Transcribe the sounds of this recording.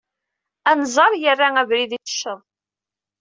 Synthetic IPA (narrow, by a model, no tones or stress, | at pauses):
ænzˤɑɾˤjərːaævɾiðit͡sə̥ʃːəðˤ